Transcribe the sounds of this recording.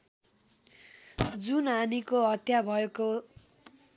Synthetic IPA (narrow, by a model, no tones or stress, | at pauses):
d͡zunanikoɦʌt̪jabʱʌeko